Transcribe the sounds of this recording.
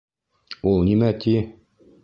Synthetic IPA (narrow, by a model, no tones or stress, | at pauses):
ulˠnimæt̪ʰi